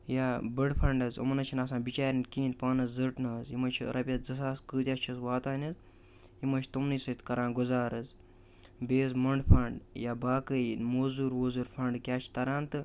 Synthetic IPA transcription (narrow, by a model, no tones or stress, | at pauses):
jaːbəɽpʰɐɳɖɐzo̰mɐnɐt͡ʃʰinaːsãːnbit͡ʃaːɾʲɐnkiːnpaːnɐzzɐʈnɐzimɐt͡ʃʰḭɾʔɐpʲjɐt̪d͡zɐs̬aːskɨːt̪ʲjaːst͡ʃʰizʋaːt̪aːnʲɐz | imɐt͡ʃʰt̪umnɨsɐit̪kɐɾãːnɡuzaːɾɨz | beːzmɐɳɖpʰɐɳɖjaːbaːkənmoːzuɾʋoːzuɾpʰɐɳɖkʲaːt͡ʃʰi̥t̪ɐɾãːnt̪ɨ